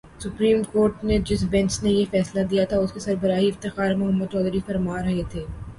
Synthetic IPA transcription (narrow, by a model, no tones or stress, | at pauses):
sʊpɾiːmkoːɾʈned͡ʒɪsbɛ̃nt͡ʃnejefɛːslad̪ijat̪ʰaʊskesɐɾbɐɾaːɦiɪft̪ɪxaːɾmʊɦəmːəd̪̚t͡ʃɔːd̪ɾifɐɾmaːɾɐɦet̪ʰeː